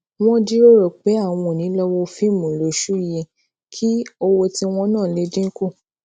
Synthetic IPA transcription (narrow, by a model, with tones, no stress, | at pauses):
w̃ɔ̃˦di˦ɾo˦ɾɔ˨k͡pe˨˦a˦˨w̃ɔ̃˧˨nĩ˨˦lɔ˦wɔ˧fi˦˨mũ˨lo˨˦ʃu˦˨jɛ˧ | kʰi˦o˧wo˧ti˧w̃ɔ̃˧nãː˦˨le˨˧dĩ˦ko˦˨